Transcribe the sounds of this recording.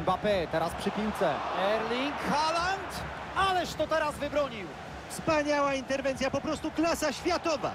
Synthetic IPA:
bapɛt̪ɛɾaspʂɘpʲiwt̪sɛɛɾlʲiŋkxalant̪ | alɛʂt̪ɔt̪ɛɾazvɘbɾɔɲiw | fspaɲawaint̪ɛɾvɛnt̪sʲjapɔpɾɔst̪uklasaɕfʲjat̪ɔva̰

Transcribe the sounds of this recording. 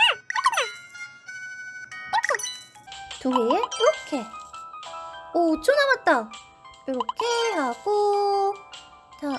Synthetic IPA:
tuɦejeiɾʌkʰe | ot͡ɕonamat̚t͈a | iɾʌkʰehaɡ̥o | ta

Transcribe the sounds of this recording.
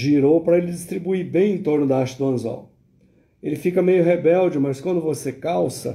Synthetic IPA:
ʒiɾowpɐɾɐelɪd͡ʒist̪ɾibuiɾbẽj̃ẽt̪oɾnʊd̪ɐaɾʃɐd̪ʊɐ̃za̰w | elɪfikɐmejʊɦebɛwd͡ʒɪmɐskwɐ̃nd̪ʊvosekawsɐ̰

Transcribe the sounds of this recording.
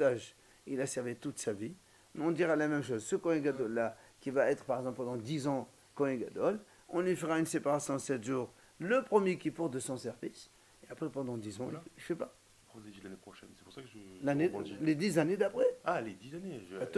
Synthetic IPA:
aʒ | ilasɛʁvit̪ut̪savi | ɔ̃d̪iʁalamɛmʃ̬ozsəkɔɛ̃ɡad̪ɔlːakʲivaɛt̪χpaʁɛɡzɑ̃pɑ̃d̪ɑ̃d̪izɑ̃ | kɔ̃ɛ̃ɡad̪ɔl | ɔ̃lɥifəʁaynsepaʁasjɔ̃sɛt̪ʒuːʁ | ləpχəmjekʲipuʁt̪̚d̪əsɔ̃sɛʁvis | eapχɛpɑ̃d̪ɑ̃d̪izɑ̃iilfɛpa | pɔzeilanepχɔʃɛnsɛ̥puʁsakəʒelaneled̪izaned̪apχɛaled̪izaneʒ

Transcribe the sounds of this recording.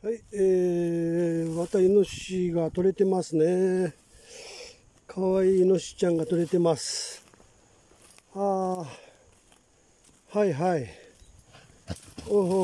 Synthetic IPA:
haie | mat̪aino̞ɕiɡat̪o̞ɾe̞t̪e̞masɨne̞ | kʰaβaiːno̞ɕi̥t͡ɕãŋɡat̪o̞ɾe̞t̪e̞masɨ̥ | a | haiɦai | oːɦo

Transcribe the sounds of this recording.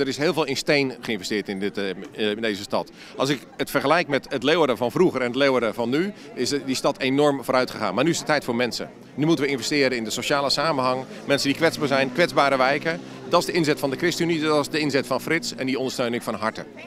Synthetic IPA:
əɾɪsɦɪːlˠvɪːlˠɪnstejnχəɪnvəstɪːɹtɪn | ndeːzəstɑt | ʔɑlˠsɪk | ətfərχəlɛjkmɛtətleədəvɑnvruɣərɛnətlewədəvɑnːy | ɪsdistɑtʰenɔrmvoːɾœɥtχəχa̰ːnmaːrnyɪsdətɛjtfʊːɹmɛnsə̰ | nymutənʋəɪnvɛstɪːɾənɪndəsoʃaːlˠəsaːmənɦɑŋ | mɛnsəndikʋɛtzbaːɹzɛjnkʋɛd͡zzbaːɾəʋɛjkə | dɔtɪzdəɪnzɛtfɑndəkrɪstəyniɪzdəɪnzɛtfɑnfrɪtsɛndiɔndəstøɥnɪŋfɔnɦɑɹtə̰

